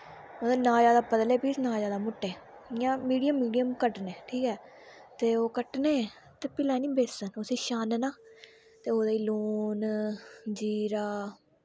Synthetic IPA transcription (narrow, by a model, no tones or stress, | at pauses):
oːd̪aːnãːd͡ʒaːd̪aːpəd̪leːbiːsnãːd͡ʒaːd̪aːmʊʈːeː | jãːmiːɖijəmːiːɖijəmkəʈneːʈʰiːkɛː | t̪eːoːkəʈneː | t̪eːpɪlaːnĩːbeːsənʊsiːʃaːnɛnaː | t̪eːoːd̪aːiːloːn | d͡ʒiːɾaː